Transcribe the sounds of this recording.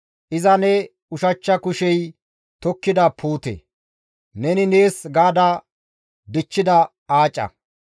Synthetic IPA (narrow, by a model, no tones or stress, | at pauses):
ʔɪzɐnɛ | ʊʃɐt͡ʃːɐkʊʃɛj | t̪ɔkːɪd̪ɐpʰuːt̪ḛ | nɛnɪneːsɡaːd̪ɐ | d̪ɪt͡ʃːɪd̪ɐ | aːt͡ʃʼːɐ̰